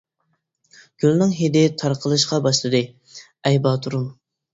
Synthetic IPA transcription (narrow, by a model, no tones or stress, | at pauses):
ɡ̥ʲylˠnɨŋɦed̪ɪt̪ʰɑɾqʰəlˠɨʃqɑbɑʃlˠɨd̪ɨ | ɛjbɑt̪ʰuɾum